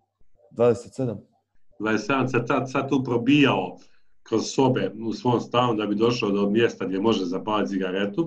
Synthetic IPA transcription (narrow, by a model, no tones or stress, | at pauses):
d̪vaːd̪eset̪sed̪am | d̪vaːdesed̪amsat̪sat̪sat̪t̪ːuːpɾo̞biːjao | kɾo̞z̥so̞be̞usʋo̞omst̪aːnud̪abid̪o̞ʃaod̪omje̞st̪aɡd̪ʲje̞mo̞ʒezapaːlit̪siɡaɾe̞t̪u